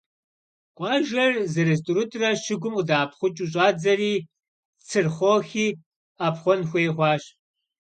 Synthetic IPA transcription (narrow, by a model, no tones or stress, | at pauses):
qʷʼɑːʒɐrzɨɾes̬tʼʊɾʊtʼrɐʃɪɡʷʊmudaːpʰχʷʊt͡ʃʼuɕ̬ʼɑːd͡zɐriː | t͡sʰɨrχʷoxiː | apχʷɔnxʷeːχʷɑːɕ